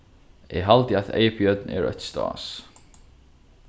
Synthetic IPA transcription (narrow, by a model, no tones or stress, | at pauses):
jɛ̰ɣɦalt̪ɪaðḛːjpʰiœt̪̚nɛ̰ɾœ̰ɥt̪st̪a̰ːs